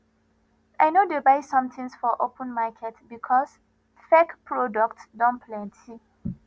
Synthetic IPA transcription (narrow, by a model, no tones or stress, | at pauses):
ajnodebajsɔ̃mt̪ʰɪ̃ŋsfɔʔopə̃nmakʰɛtbikʰɔs | fɛkpʰɹɔdɔktdɔ̃npʰlɛ̃ntʰi